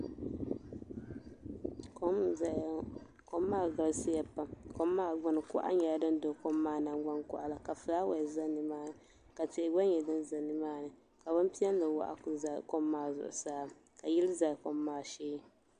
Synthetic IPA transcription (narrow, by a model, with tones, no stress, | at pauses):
ko˦˨ | ko˦mːaː˦ɡa˨lsi˦ja˨pa˦˨ko˦mːaː˦˨ɡ͡bʊ˨nɨ˨kʊ̰˦ʔa̰˦ɲɛ˨ja˦dɨ˦n˦do˨˦ko˦mːaː˦˨na˨ɡ͡ba˦nkʊ̰˨ʔa˨la˨ka˨fɨ˨la˦wa˨za˦nɨ˨maː˦nɨ˨ | ka˨te˨ɪ˨ɡ͡ba˦ɲɛ˨dɨ˦nza˨nɨ˨maː˦nɨ˨ | ka˨bʊ˦m˦pi˦ɛ˦n˦lɨ˨wa̰˨ʔa̰˨kza˨ko˦mːaː˦˨zʊ̰˨ʔʊ̰˨saː˦ | ka˨ji˦lɨ˦za˨ko˦mːaː˦˨ʃeː˦